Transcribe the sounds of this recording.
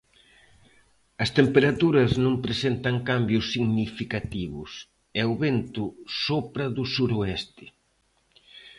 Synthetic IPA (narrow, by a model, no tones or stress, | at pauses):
ɐst̪empeɾat̪uɾɐznõmpɾesent̪ɐŋkambjʊsːiɣnifikat̪iβʊ̰s | ɛoβent̪ʊsopɾɐðʊsuɾoɛst̪ɪ̥